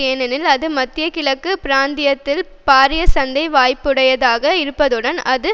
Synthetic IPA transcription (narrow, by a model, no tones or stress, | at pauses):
eːnɐnɪlɐðɯmɐt̪ːɪjɐkɪlɐkːɯpɪɾaːnd̪ɪjɐt̪ːɪl | paːɾɪjɐsɐnd̪ɐɪʋaːjpːɯɽɐjɐðaːɣɐɪɾɯpːɐðɯɽɐnɐðɯ